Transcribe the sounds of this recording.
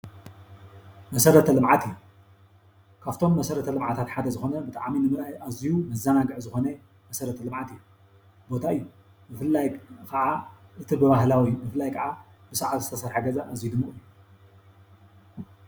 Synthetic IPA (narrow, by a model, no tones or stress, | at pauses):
mɐsɐɾɐt̪ʰɐlɨmʕat̪ɨjːu | kʰaβt̪ʰo̞mːɐsɐɾɐt̪ʰɐlɨmʕat̪ʰat̪ħad̪ɐzɨxo̞nɐbɨt̪ʼa̰ʕminɨmɨɾajʔazijumɐzɐnaɡɨʕzɨxo̞nɐ | mɐsɐɾɐt̪ʰɐlɨmʕat̪ɨjːu | bo̞t̪ʰaʔɨjːu | mɨfɨlːajkʰɐʕaʔɨt̪ʰibɨβahlawijːubɨfɨlːajkʰɐʕa | b̥ɨsɐʕat̪zɨt̪ʰɐsɐɾħaɡɐzɐʔazijud̪ɨmːɨχʼɨjːu